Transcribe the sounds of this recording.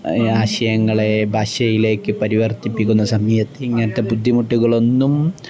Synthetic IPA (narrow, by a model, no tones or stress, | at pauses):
aːɕɐjɐŋːɐɭe̞bʱaːɕɐjile̞ːkːɨpɐɾiʋɐrt̪ipːikʲːunːɐsɐmɐjɐt̪ːɨiŋːɐnɐt̪ːepud̪ʱːimuʈːuɣɐɭo̞nːum